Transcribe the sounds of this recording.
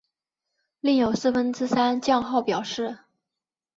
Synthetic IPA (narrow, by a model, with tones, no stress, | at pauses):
li˥˩ŋjo˨˩ʊsɹ̩˥˩fə˥nʈ͡ʂɻ̩˥sa˥nt͡ɕjɑ˥˧ŋxɑ˥˩ʊpjɑ˨˩ʊʂɻ̩˥˩